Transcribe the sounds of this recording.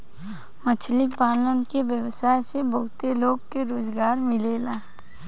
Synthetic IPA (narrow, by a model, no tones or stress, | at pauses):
mət͡ʃʰlɪkpaːlənkeʋjəʋsaːjsebəɦʊt̪eloːɡkeɾoːzɡaːɾmɪleːlaː